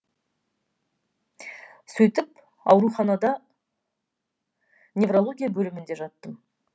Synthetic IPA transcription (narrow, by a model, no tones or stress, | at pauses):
sɵjt̪ɪp | ɑ̰wɾuχɑnɑd̪ɑ | nʲe̞vrolˠo̞ɡʲijabɵlɪmɪnd̪e̞ʒɑt̪ːəm